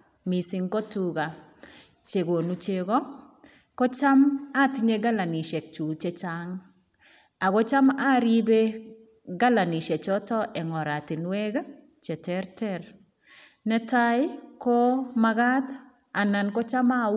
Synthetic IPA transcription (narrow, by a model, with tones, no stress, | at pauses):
mi˨si˨ŋkɔ˦tuɡa˨ | t͡ʃe˨ɡo˨nu˨t͡ʃeɡɔ˦ | kɔ˦t͡ʃa˦ma˦ti˦ɲeɡa˦la˨ni˨ʃɛ˨k̚t͡ʃu˨t͡ʃɛ˦t͡ʃaŋ | a˨ɣɔ˦t͡ʃa˦ma˦ɾi˦be˦ | ɡa˦la˨ni˨ʃɛ˨t͡ʃɔ˦tɔ˦ʔɛ˨ŋɔ˨ɾa˨ti˨nwɛ˦ɡa˦ | t͡ʃɛ˨tɛɾtɛɾ | nɛ˦tajkɔ˦maɣa˦t | a˨na˨nkɔ˦t͡ʃa˦ma